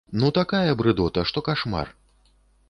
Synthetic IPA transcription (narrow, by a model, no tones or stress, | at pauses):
nut̪akajɐbɾɨd̪ɔt̪ɐʂt̪ɔkaʂma̰r